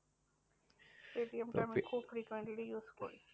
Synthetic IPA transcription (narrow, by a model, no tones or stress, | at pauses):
ʈeːʈiəmʈãmẽkʰuːbfɾiːkwẽɳʈlijuːsko̰ɾi